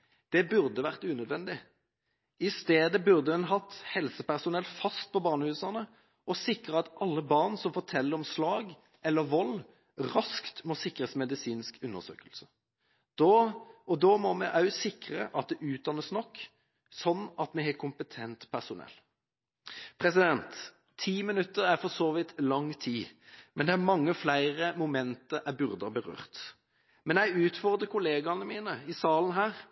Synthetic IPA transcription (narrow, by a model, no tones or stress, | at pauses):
d̪̥ɛbʉʁd̪əʋæʁt̪ʉːnœd̪ʋɛnd̪ɪ | ɪst̪eːd̪əbʉʁd̪əɛnɦɑt̪hɛlsəpæʁsʊnɛlfɑst̪̚pʰɔbɑːʁnəhʉːsɑʁnə | ɔsɪkʁəɑt̪ʔɑlːəbɑʁnsɔmfɔt̪ʰɛlːəɾɔmslɑːɡ | ʔɛlːəʋɔlː | ʁɑskt̪mɔsɪkːəsmɛd̪ɪsiːnskʉnːəʁsø̰ːkəlsə | d̪̥oʔɔd̪oːmɔmɛʔɑʉsɪkɾəʔɑt̪̚d̪ɛʔʉːt̪̚d̪ɑnəsnɔkː | sɔnːɑt̪mɛɦɛkʰʊmpət̪ʰɛnt̪pʰæʁsʊnɛ̰lː | pʰʁɛsɪd̪ɛnt̪ʰː | iːmɪnʉt̪ːəɾæfɔsoːʋɪt̪lɑŋːt̪ʰiːmɛnd̪ɛæmɑŋːəflæɪʁəmʊmɛnt̪əɾʔæbʉʁd̪əbəʁø̰ːʁt̪ | mɛnjæɪʉːt̪fɔʁd̪ʁəkʰʊleːɡɑnəmiːnəɪsɑːln̩ɦæːʁ